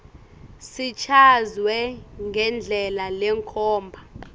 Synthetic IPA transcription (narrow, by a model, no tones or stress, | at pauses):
sit͡ʃʰazwɛŋɡʱɛnd͡ɮʱɛlalɛŋkʰɔːmbʱa